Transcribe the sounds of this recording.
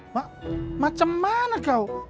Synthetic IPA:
waʔmat͡ʃamːanakaw

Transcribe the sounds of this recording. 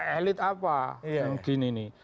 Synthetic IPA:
ɛlɪt̪apaaŋɡ̥i̤nini

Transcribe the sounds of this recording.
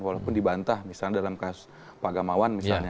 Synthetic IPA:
walaupʊndibant̪ahmisalɲadalamkasʊ̥s | paɡamawanmisalɲa

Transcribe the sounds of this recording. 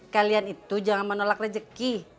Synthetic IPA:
kalianit̪ud͡ʒaŋanmənolak̚rəd͡ʒəki

